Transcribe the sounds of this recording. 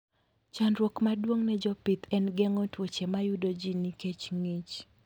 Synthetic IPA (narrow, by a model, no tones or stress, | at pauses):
t͡ʃanɾwokmadwoŋnɛd͡ʒɔpit̪ʰɛnɡɛŋɔtwot͡ʃemajudod͡ʒiniket͡ʃŋit͡ʃ